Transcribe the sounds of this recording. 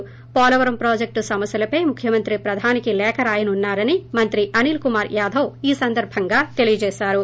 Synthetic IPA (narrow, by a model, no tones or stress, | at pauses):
pɔːlɐʋɐɾɐmpɾoːd͡ʒek̚ʈsɐmɐsjɐlɐpɐjmukʰjɐmɐnt̪ɾipɾɐd̪ʱaːnikilɛːkɐɾaːjɐnunːaːɾɐnimɐnt̪ɾiʔɐniːlkumaːɾjaːd̪ʱɐwiːsɐnd̪ɐɾbʱɐŋɡaːt̪e̞lijɐd͡ʒɛːʃaːɾu